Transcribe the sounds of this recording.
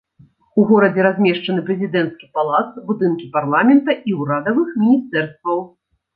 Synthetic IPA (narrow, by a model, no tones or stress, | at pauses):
uɣɔɾɐd͡zʲɛɾazʲmʲɛʂt͡ʂɐnɨpɾɛzʲid̪ɛnt̪skʲipalˠat̪sbud̪ɨnkʲiparlˠamʲɛnt̪ɐiuɾad̪ɐvɨxmʲinʲist̪ɛrst̪vɐw